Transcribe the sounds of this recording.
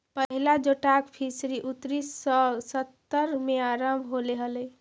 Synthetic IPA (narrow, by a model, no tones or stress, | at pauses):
pəɦilad͡ʒoʈakpʰisɾiʔut̪ɾissət̪ːəɾmeaɾəmbʱɦoleɦələj